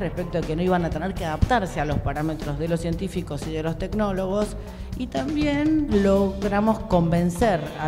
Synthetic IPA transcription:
respek̚t̪oekenoiβanat̪eneɾkeaðapt̪aɾsealo̞spaɾamet̪ɾozðe̞lo̞sje̞nt̪ifiko̞siðe̞lo̞st̪e̞kno̞lo̞ɣos | it̪ambje̞nlo̞ɣɾamo̞sko̞mbe̞nseɾa

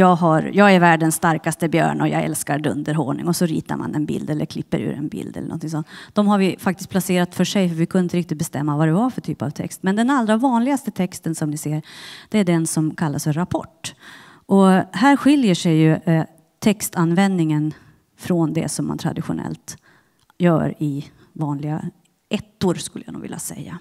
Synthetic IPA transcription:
jɑːɡɦaɾjɑːɡæɾvæːɖənsːt̪aɾkast̪əbjœ̰ːɳɔjɑ̰ːɡɛ̰lskaɾɖ̪ɵnd̪əɾɦoːɳɪŋɔsɔɾḭːt̪a̰ɾma̰nɛnbɪld̪ɛlːə̰ɾkʰlɪpːə̰ɾʉ̟ːɾɛnbɪ̰ld̪ɛ̰lːnɔ̰nt̪ɪŋsɔnt̪ːd̥̪ɔmɦaɾvɪfak̚t̪ɪst̪̚pʰlaseːɾat̪fœʂɛjfœɾvɪkʰɵnəɪnt̪əɾɪk̚t̪ɪt̪bɛst̪ɛmːavad̪ɛvafœʈʰy̰ːpa̰vt̪ʰɛ̰kst̪mɛnd̪ɛnalɾavɑːnlɪɡast̪ət̪ʰɛkst̪ənsɔmnɪseːɾd̪̥ɛæɖɛnsɔmkʰalːasfœɾapʰɔ̰ʈː | ʔɔhæːɾɧɪljəʂɛjːɵ | t̪ʰɛkst̪anvɛnd̪nɪŋən | fɾɔnd̪ɛ̰sɔmːant̪ʰɾa̰d̪ɪɧʊnɛ̰lt̪ | jœ̰ːɾɪ | vɑːnlɪɡa | ɛt̪ːʊɾskɵlːəja̰nṵːɡvɪ̰lːa̰sɛ̰jːa̰

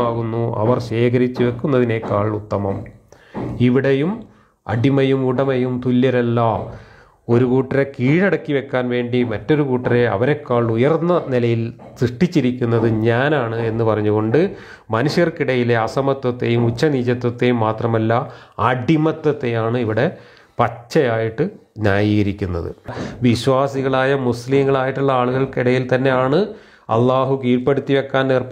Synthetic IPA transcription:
aːɣunːuɐ̰ʋɐrɕe̞ːkɐɾit͡ɕːɨʋe̞kːunːɐðine̞kaːɭut̪ːɐmɐm | iʋiɽejum | ɐ̰ɖimɐjumuɽɐmɐjumt̪ulːɐɾelːɐ | o̞ɾukuːʈːiɾekiːɽɐɽɐkːiʋe̞kːaːnʋe̞ːɳɖimɐtːo̞ɾukuːʈːire̞ɐ̰ʋɐɾekːaːɭujɐrnːɐnilɐjilsrɨʂʈit͡ɕːiɾikʲːunːɐðɨɲaːnaːɳɨe̞nːɨpɐrɐɲːuɣo̞ɳɖɨ | mɐnuʂjɐrkiɽɐjile̞ɐsɐmɐt̪ːwɐt̪ːe̞̰jumut͡ɕːɐniːt͡ɕːɐt̪wɐt̪ːejumːaːt̪rɐmɐlːaɐɖʱimɐt̪ːɐt̪ːe̞jaːɳɨiʋiɽe̞ | pɐt͡ɕːɐjaːjiʈːɨɲaːjiːɣɐɾikʲːunːɐ̰ðɨ̰ʋiɕwaːsiɣɐɭaːjɐmuslimɡɐɭaːjiʈːuɭːɐaːɭuɣɐɭkiɽɐjilt̪ɐnːe̞jaːɳɨ | ɐ̰lˠːaːɦukiːlpːeɽut̪ːiʋekːaːnneːrp

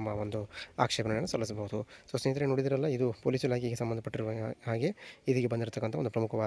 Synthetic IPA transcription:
mːɐond̪ua̰ːkʂɛːpɐnɐnɐnːɐsɐlːisɐbɐɦud̪usoːsnejt̪ɾenoɽid̪iɾɐlːɐid̪upoːliːsilaːkʰjɡesɐmbɐnd̪ɐpɐʈːiɾuaːɡe̞id̪iɡebɐnd̪iɾt̪ɐkːɐnt̪ɐond̪pɾɐmukʰɐʋaː

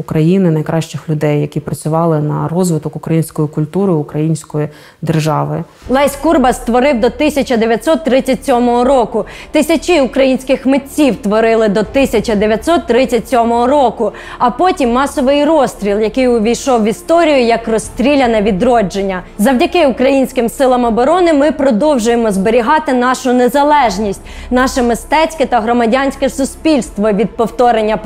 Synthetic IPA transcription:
ʊkɾɐjinɪnɐjkɾɑʃt͡ʃɪxlʲʊd̪ɛjːɐkʲipɾɐt͡sʲʊʋɑlˠɪnɐ̰ɾɔzʋɪt̪ɔkʊkɾɐjinʲsʲkɔjikʊlʲt̪uɾɪʊkɾɐjinʲsʲkɔji | d̪erʒɑʋɪ̰ | lˠɑjsʲkurbɐst̪ʋɔɾɪwd̪ɔt̪ɪsʲɐt͡ʃɐd̪eʋʲjɐt̪ʲsɔt̪ːɾɪt͡sʲːɐtʲsʲɔmɔɦɔɾɔkʊt̪ɪsʲɐt͡ʃɪʊkɾɐjinʲsʲkɪxmetʲt͡sʲiwt̪ʋɔɾɪlˠɪd̪ɔt̪ɪsʲɐt͡ʃɐd̪eʋʲjɐt̪ʲsɔt̪ːɾɪt͡sʲːɐtʲsʲɔmɔɦɔɾɔkʊ | ɐpɔtʲimːɑsɔʋɪjrɔst̪ɾʲilˠjɐkɪjʊʋʲijʃɔwʋʲist̪ɔɾʲijʊjɐkrɔst̪ɾʲilʲɐnɐʋʲid̪ɾɔd͡ʒenʲːɐzɐwdʲɐkɪʊkɾɐjinʲsʲkɪmsɪlˠɐmɔbɔɾɔnɪmɪpɾɔd̪ɔwʒʊjemɔzbeɾʲiɦɑt̪ɪn̪ɑʃʊnezɐlˠɛʒnʲisʲtʲnɑʃɛmɪst̪ɛt͡sʲkɛt̪ɐɦɾɔmɐdʲanʲsʲkɛsʊspʲilʲst̪ʋɔʋʲid̪̚pɔwt̪ɔɾenʲːɐ

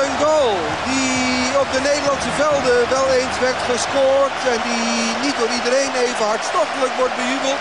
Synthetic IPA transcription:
ənɡolˠ | di | ɔb̚dəneːdəlɑntsəvɛlˠdəʋɛlˠejnsʋɛtχəskoːɹtɛndi | nit̚doːɾidəɾejneːvəɦɑɹtstɔχtələkʋɔɹt̚bəjybəl̩ˠt

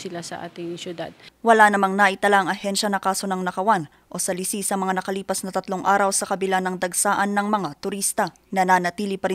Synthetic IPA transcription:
sɪlasɐ̰ʔa̰ːt̪ɪŋsjʊd̪a̰d̪̚wɐlanɐmaŋnaʔɪt̪ɐlaɐŋʔɐhɛnʃɐnɐkaːso̞nɐŋnɐkɐwan | ʔo̞sɐlisisɐmɐŋanɐkɐliːpɐsnɐt̪ɐt̪loŋʔaːɾɐwsɐkɐbɪlanɐŋd̪ɐɡsaːʔɐnːɐŋmɐŋat̪ʊɾist̪ɐ | nɐnanɐt̪iːlipɐɾi

